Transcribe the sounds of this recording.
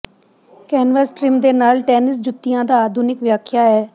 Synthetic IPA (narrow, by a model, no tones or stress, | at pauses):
kɛːnʋəsʈɾɪmd̪eːnaːlʈɛːnɪs̬d͡ʒʊt̪ːɪjãːd̪aːaːd̪ʱuːnɪkʋjaːkʰjaːɛː